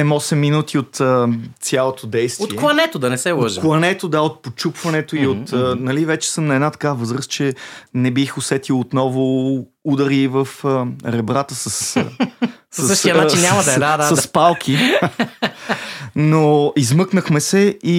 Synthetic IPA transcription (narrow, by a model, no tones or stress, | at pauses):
ɛmɔsɛmːinut̪ʰiot̪ətsʲjalˠot̪ʰod̪ɛjst̪otiiɛklˠɐnɛt̪od̪ɐnɛsɛvˠəʒklˠɐnɛt̪od̪aot̪̚pot͡ʃupvɐnɛt̪oiot̪ːnɐlivɛt͡ʃɛ̥sɤmnɐɛd̪nat̪ɐ̥kavəzɾəst͡ʃɛnɛbixosɛt̪ilˠot̪nɔvʊud̪əɾiːvəfəɾɛbɾat̪əsəs | səsəʃtiɐnat͡ʃinːɲamɐd̪ɐd̪ad̪aɐspalˠkʰi | noizmɤknəxmɛsɛi